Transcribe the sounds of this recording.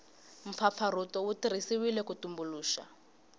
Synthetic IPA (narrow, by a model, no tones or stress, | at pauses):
ɱ̩fap̪fʰaɾutɔwutiɾ̤isiwilɛkutumbuluːʃa̰